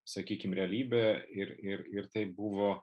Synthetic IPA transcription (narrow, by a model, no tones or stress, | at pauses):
sɐkʲiːkʲɪmɾʲɛɐlʲiːbʲɛɪɾɪɾɪɾt̪ɐɪbuʋoː